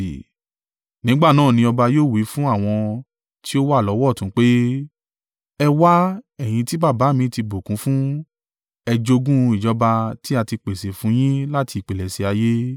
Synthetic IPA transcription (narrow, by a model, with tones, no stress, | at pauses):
nĩ˨˦ɡ͡ba˦˨nãː˦˨nĩ˧ɔ˧ba˧joː˦˨wi˨˦fũ˦a˦˨w̃ɔ̃˧ | ti˦o˦wa˦˨lɔ˨˦wɔ˦˨tũ˨˦k͡pe˦ | ɛ˧wa˦ɛ˦˨j̃ĩ˧ti˦ba˦˨ba˨˦mĩ˧˦ti˧bo˨kũ˨˦fũ˦ | ɛ˧d͡ʒo˧ɡũ˦˧i˨d͡ʒɔ˨˦ba˧ti˦a˧ti˧k͡pe˨se˨fũ˨˦j̃ĩ˦la˦ti˧i˨k͡pe˨lɛ˨se˨˧a˧je˦